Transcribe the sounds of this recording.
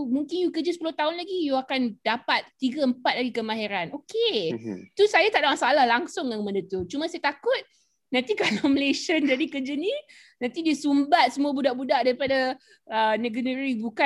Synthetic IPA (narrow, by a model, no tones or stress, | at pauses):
muŋkɪnjukəd͡ʒəsəpulʊht̪aɦʊnlaɡijuakandapat̪̚t̪ːiɡaəmpat̪̚laɡikəmaɦiɾanʔoket̪usajat̪aʔdaʔmasaːlahlaŋsʊŋjaŋməndət̪ut͡ʃumãsajat̪akʊt̪̚ | nãnt̪ikalaməlesənd͡ʒadikəd͡ʒəni | nãnt̪idisumbat̪̚səmuabudaʔbudaʔdaɾipada | ənəɡənəɾibuka